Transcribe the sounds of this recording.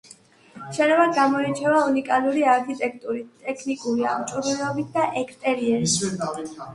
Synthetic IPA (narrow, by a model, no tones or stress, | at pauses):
ʃɛlɛbad̪ɡamɔit͡ʃʰɛvaunikʼaluɾiaɾkʰit̪ʼɛk̚ʰʼt̪ʼuɾit̪ʼɛkʰnikʼuɾia̰mt͡ʃʼuɾulɛɔbit̪̚ʰd̪aʔɛkʰst̪ʼɛɾiɛi